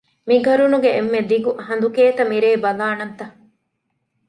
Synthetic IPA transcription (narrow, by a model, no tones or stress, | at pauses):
miɡʱɐɾunuɡeemːed̪iɡuʔɦɐnd̪ukeːt̪ɐmiɾeːbɐlaːnɐnt̪ɐ